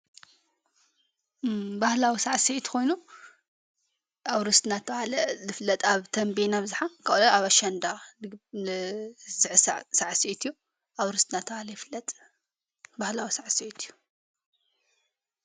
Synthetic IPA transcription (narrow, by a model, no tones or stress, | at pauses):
bahlawisaʕset̪kʰo̞jnu | ʔawɾɨst̪nat̪ʰalɐzɨflːɐt̪ʼaβt̪ʰɐmbenaβɨzħakʰaʔlɐaβaʃɐnd̪a | zɨʕɨssaʕset̪ʰjːu | ʔawɾɨst̪nat̪ʰβalɐjflːɐt̪ʼ | bahlawisaʕset̪ʰɨjːu